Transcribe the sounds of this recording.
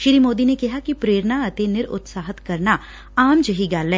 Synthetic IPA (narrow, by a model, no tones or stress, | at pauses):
ʃɪɾiːmoːd̪inekɐɦakipɾeːɾnaɐt̪enɪɾʊ̰t̪saːɦət̪kɐɾna | aːmd͡ʒəɦiɡaːlːɛ̃ː